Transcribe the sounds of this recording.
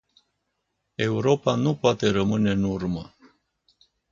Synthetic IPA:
e̞uɾopanupoat̪e̞ɾəmɨnenurmə̰

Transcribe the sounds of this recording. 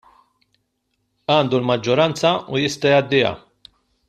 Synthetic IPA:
ɐːnd̪ulmɐd͡ʒːɔɾɐnt͡sɐujɪst̪ɐjɐd̪ːɪjɐ̰

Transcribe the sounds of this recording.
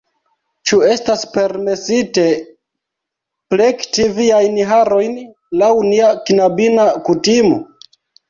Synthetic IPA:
t͡ʃue̞staspe̞ɾme̞site̞ | plektiviajnɦaɾo̞jn | lawniakinabinakutimo̞̰

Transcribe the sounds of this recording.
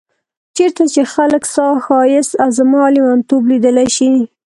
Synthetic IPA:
t͡ʃeɾt̪at͡ʃexaləksɑxɑjɪsawzamɑlimant̪oblid̪əlajʃi

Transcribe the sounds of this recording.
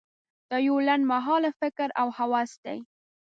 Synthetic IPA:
d̪̥əjolanmaɦɑlafɪkɾawhawɑsd̪a̰j

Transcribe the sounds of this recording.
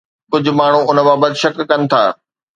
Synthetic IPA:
kʊd͡ʑʱʊ̆maːɳ̤ũʊnə̆baːbət̪ɪʃɐkːɐnɪ̆t̪ʰa̰ː

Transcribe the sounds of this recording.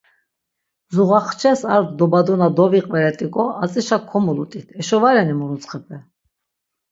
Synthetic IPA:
zuʁaχt͡ʃʰɛsaɾd̪d̪ɔbad̪ɔnad̪ɔviqʼvɛɾɛt̪ʼikʼɔat͡sʼiʃakʰːɔmulut̪ʼit̪ʰɛʃɔvaɾɛnimuɾut͡sʰχɛpʰɛ

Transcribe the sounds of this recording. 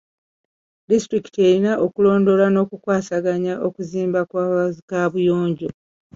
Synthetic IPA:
distɾiki̥te̞ɾinaʔokulo̞ːndo̞lano̞ːkukwaːsaɡaɲaʔo̞kuziːmbakkaβujo̞ːɲɟo̞

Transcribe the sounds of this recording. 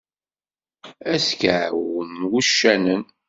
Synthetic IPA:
æskawənwuʃːænən

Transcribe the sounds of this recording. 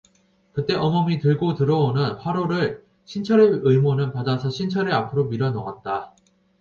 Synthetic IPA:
kɯt͈e̞ʔʌmʌmitɯɭɡotɯɾʌonɯnɸwaɾoɾɯɭ | ɕʰint͡ɕʰʌɾeɯmonɯnpadasʰʌɕʰint͡ɕʰʌɾɯapʰɯɾomiɾjʌnʌɡat̚t͈a

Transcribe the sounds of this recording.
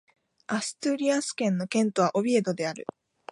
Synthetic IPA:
asɨ̥t̪ɨɾʲiasɨ̥kẽ̞nːo̞kẽ̞nt̪o̞β̞aʔo̞bʲie̞d̪o̞d̪e̞aɾɯ̟̰

